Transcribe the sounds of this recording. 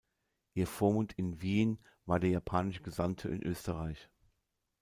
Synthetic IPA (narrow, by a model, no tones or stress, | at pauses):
ʔiːɐfoːɐmʊntʰɪnviːn | vaːɐdeːɐjapʰaːnɪʃəɡəzamtʰəʔɪ̰nʔøːstəʁaɪç